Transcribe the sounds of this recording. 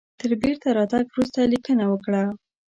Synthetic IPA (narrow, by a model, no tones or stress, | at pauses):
t̪əɾbeɾt̪aɾɑt̪aɡwɾust̪alikənawəkɽa